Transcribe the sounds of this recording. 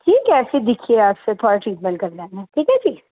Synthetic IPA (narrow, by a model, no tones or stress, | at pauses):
ʈʰiːkːɛːsed̪ɪkʰieaːpset̪ʰoːɾaʈɾiːʈmɛ̃nkɐɾd͡ʒaːnaʈʰiːkɛ̃t͡ʃʰiː